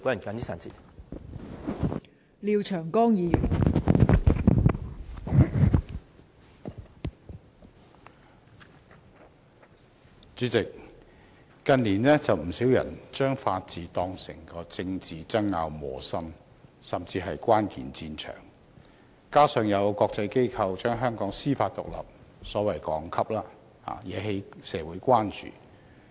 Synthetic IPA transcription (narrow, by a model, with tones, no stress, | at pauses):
ko˨˥jɐ˨˩nkaː˨˥ni˥saː˨nt͡sḭː˨˩ | liː˨˧wt͡ʃʰœː˨˩ŋkɔː˥ŋjiː˨˧jyː˨˩n | t͡ʃyː˨˥t͡sɪ˨k̚ | kɐ˧nliː˨˩nɛː˥t͡sɐ˨wm̩˨˩siː˨˥wjɐ̰˨˩nt͡ʃœː˥ŋfaː˧t̚t͡siː˨t̪ɔː˧ŋsɪ˨˩ŋkɔː˧t͡sɪ˧ŋt͡siː˨t͡sɐ˥ŋːaː˧wmɔː˨˩sɐ˥m | sɐ˨˩mt͡siː˧ɦɐ˨jkʷaː˥nkḭː˨nt͡siː˧nt͡ʃʰœ̰ː˨˩ŋ | kaː˥sœː˨ŋjɐ˨˧wkʷɔː˧k̚t͡sɐ˧jke˥jkʰɐ˧wt͡ʃœː˥ŋɦœː˥ŋkɔː˨˥ŋsiː˥faː˧t̚t̪ʊ˨k̚lɐ̰˨p̚sɔː˨˥wɐ˨˩jkɔː˨˥ŋkʰɐ˥p̚laː˥ | ha̰ː˨jɛː˨˧˥ɦe˨˥jsɛː˨˧wuː˨˥jkʷaː˥nt͡ʃy̰ː˨